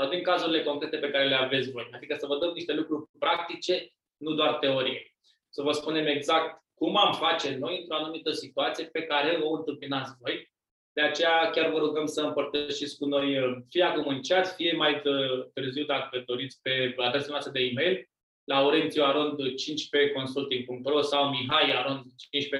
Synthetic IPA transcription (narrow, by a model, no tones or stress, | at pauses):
sawd̪iŋkazuɾile̞ko̞ŋkɾe̞t̪e̞pe̞kaɾe̞le̞ave̞t̪sʲvo̞jad̪ikəsəvəd̪əmniʃt̪e̞lukɾurʲpɾak̚t̪it͡ʃe̞ | nud̪oart̪e̞o̞ɾije | səvəspune̞me̞ɡzak̚t̪ | kumamfat͡ʃe̞no̞jɨnt̪ɾo̞anumit̪əsit̪uat̪sije̞pe̞kaɾe̞o̞ɨnt̪ɨmpinat̪sʲvo̞j | d̪e̞at͡ʃe̞jakʲarvəɾuɡəmsəɨmpərt̪əʃit̪sʲkuno̞jfijakomunit͡ʃiat̪sʲfije̞maj̪t̪ɨrziwd̪akəd̪o̞ɾit̪sʲpe̞ad̪ɾesamneoast̪ɾəd̪eime̞jl | lauɾent̪ioaɾond̪t͡ʃint͡ʃʲpe̞ko̞nsult̪iŋɡ̚puŋk̚p̪ɾo̞sawmiɦajaɾond̪t͡ʃint͡ʃpe